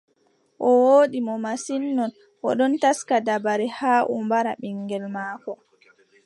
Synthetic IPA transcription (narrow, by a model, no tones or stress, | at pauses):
ʔɔwoːɗimɔmasinːɔn | ʔɔ̰ɗɔntaskadabaɾɛhaːʔṵmbaɾaɓiŋɡɛlmaːkɔ